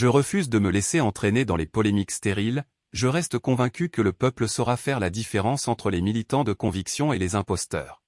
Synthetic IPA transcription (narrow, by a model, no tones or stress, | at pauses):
ʒəʁəfyzd̪əməleseɑ̃t̪χened̪ɑ̃lepɔlemikst̪eʁil | ʒəʁɛst̪kɔ̃vɛ̃kʲykələpœpləsɔʁafɛʁlad̪ifeʁɑ̃sɑ̃t̪χəlemilit̪ɑ̃d̪əkɔ̃viksjɔ̃elezɛ̃pɔst̪œ̰ːʁ